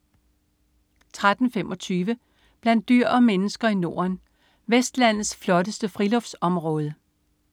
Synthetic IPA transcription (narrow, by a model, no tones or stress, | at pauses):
t͡sʰʁad̥n̩femʔɒ̽t͡sʰyːʋə | b̥læn̰d̥ːyɐ̰ɒ̽menəsɡ̥ɐino̝ːɐn | ʋesd̥læn̰ð̩ˠsflɒ̽ɾəsd̥əfʁilɔ̽fsɒ̽mʁɔ̽ːð̞ˠə